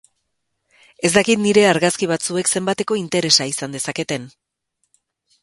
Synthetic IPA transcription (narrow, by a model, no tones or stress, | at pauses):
e̞zd̪akit̪niɾe̞aɾɣaskiβ̞at͡sue̞kse̞mbat̪e̞ko̞int̪e̞ɾe̞saisand̪e̞sake̞t̪e̞n